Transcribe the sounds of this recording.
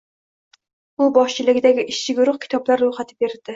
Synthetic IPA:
ʊbɒʃt͡ʃʰɪlɪɡʲɪd̪aɡʲɪʔɪʃt͡ʃʰɪɡʲʊɾʊχkʰʲɪ̥t̪ʰɒblaɾːojχat̪ʰɪbe̞ɾd̪̥ɪ

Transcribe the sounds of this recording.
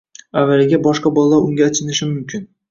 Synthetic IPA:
avːalɪɡʲabɒʃqɑbɒlˠaːaɾʊŋɡʲat͡ʃʰɪnɪʃɪmʊmkʲʰɪn

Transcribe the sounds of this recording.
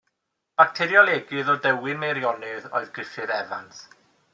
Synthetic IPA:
b̥ak̚tʰɛɾjɔlˠeɡɨðɔdɛwɪnmejɾjɔnɨðo̰ɨðɡrɪfɨðɛva̰ns

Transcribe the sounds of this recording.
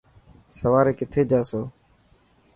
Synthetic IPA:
səʋaːɾeːkɪt̪ʰeːd͡ʒaːsoː

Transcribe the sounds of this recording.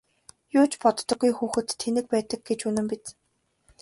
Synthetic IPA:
jʊːt͡ɕpɔt̪ːɞ̆ɡujxuːxɘ̆t̪ʰːenɘ̆k̚pæːt̪ə̆ɡ̚ɡet͡ɕunɘ̆mpit͡s

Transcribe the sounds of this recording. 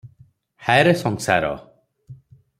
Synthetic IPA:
haɾɛsɔŋsa̰ɾɔ̰

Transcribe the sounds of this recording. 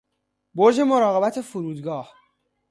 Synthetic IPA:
boɾd͡ʒe̞moɾɒːɣe̞bæt̪ʰe̞fuɾuːd̪ɡɒːh

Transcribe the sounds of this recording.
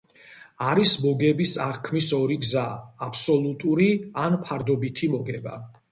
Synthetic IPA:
aɾismɔɡɛbisaʁkʰmisɔɾiɡzaːpʰsɔlˠut̪ʼuɾianpʰaɾd̪ɔbit̪ʰimɔɡɛba̰

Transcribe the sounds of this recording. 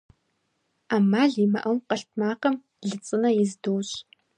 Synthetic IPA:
aːmaːɮimɐ̰ʔɐwqɐɬtʰmaːqɐm | ɮɨt͡sʼɨnɐjɪzdoːɕ

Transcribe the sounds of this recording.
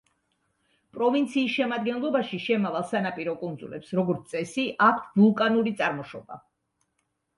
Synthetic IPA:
pʼɾɔvint̪sʰiːsʃɛmad̪̚ɡɛnlˠɔbaʃiʃɛmavalˠsanapʼiɾɔkʼund̪zulɛ̰psɾɔɡɔɾt̪ʰsʼɛsiʔakʷʰt̪ʰbulˠkʼanuɾit̪sʼaɾmɔʃɔba̰

